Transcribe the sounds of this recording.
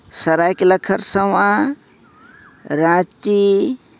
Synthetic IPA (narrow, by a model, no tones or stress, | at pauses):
səɾajkeləkʰəɾsəwã | ɾãt͡ʃi